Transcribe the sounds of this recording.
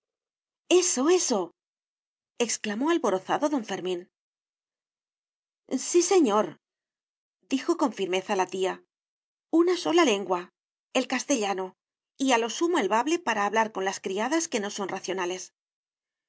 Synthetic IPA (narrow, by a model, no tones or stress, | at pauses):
e̞so̞e̞so̞ | eksklamo̞alβo̞ɾo̞θaðo̞ðo̞ɱfe̞ɾmĩn | sise̞ɲo̞ɾ | d̪ixo̞ko̞ɱfiɾme̞θalat̪ia | unaso̞lale̞ŋɡwa | e̞lkast̪e̞ʎano̞ | ialo̞sumoelβaβle̞paɾaːβlaɾko̞nlaskɾiaðaske̞no̞so̞nraθjo̞nale̞s